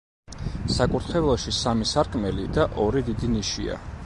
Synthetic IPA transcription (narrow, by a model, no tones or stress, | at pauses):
sakʼuɾt̪ʰχɛvlˠɔʃisamisaɾkʼmɛlid̪aʔɔɾid̪id̪iniʃḭa̰